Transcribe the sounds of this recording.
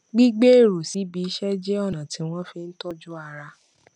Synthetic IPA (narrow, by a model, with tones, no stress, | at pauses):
ɡ͡bi˦ɡ͡be˦e˦˨ɾo˨si˨˦bi˨˦ʃɛ˦d͡ʒɛ˦ɔ˦˨nã˨ti˨˦w̃ɔ̃˦fe˧n̩˦tɔ˦d͡ʒu˦a˦˧ɾa˧